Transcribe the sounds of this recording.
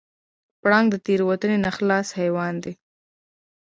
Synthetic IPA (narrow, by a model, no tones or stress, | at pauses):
pɽɑŋɡd̪ət̪eɾwat̪ənenaxlɑshajwɑnd̪i